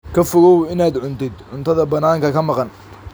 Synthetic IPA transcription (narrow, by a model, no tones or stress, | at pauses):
kʰɐfɔɣɔwɪnaːd̪ʕʊnt̪ʰɪd̪ʕʊnt̪ʰɐðɐbɐnaːŋkʰɐkʰɐmɑqɑn